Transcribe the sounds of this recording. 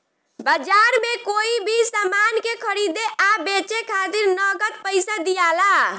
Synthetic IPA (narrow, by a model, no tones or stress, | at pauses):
bəd͡ʒaɾmekoibʱisamankekʰəɾid̪eʔabet͡ʃekʰat̪iɾnəɡət̪̚pəɪsad̪ijala